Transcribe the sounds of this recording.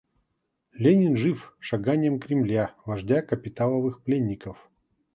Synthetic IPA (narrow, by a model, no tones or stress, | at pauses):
lʲenʲɪnʐɨfʂaɡanʲɪjəmkɾʲɪmlʲavɐʐdʲakəpʲɪt̪alˠəvɨxplʲenʲːɪkəf